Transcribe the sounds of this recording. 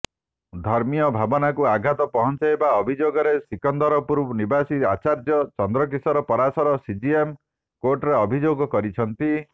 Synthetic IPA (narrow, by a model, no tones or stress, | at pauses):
d̪ʱɔɾmijɔbʱabɔnakuaɡʱat̪ɔpɔɦɔnt͡ʃajebaɔbʱid͡ʒoɡɔɾesikɔnd̪ɔɾɔpuɾbɔnibasiat͡ʃaɾd͡ʒɔt͡ʃɔnd̪ɾɔk̬isɔɾɔpɔɾasɔɾɔsid͡ʒiem | koɾʈɔɾeɔbʱid͡ʒoɡɔkɔɾit͡ʃʰɔnt̪i